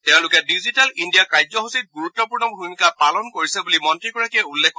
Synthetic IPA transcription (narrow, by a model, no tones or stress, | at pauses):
tɛʊ̃lʊkɛdizitalindijakajzɔɦusit̚ɡuɹutːɔpuɹnɔbʱumikapalɔnkoɹisɛbulimɔntɹiɡɔɹakieulːekʰkɔ